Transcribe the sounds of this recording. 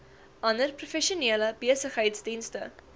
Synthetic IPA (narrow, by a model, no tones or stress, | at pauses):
ʔɐndərprofɛʃiuniələbiəsəχɦəjtsdinstə̰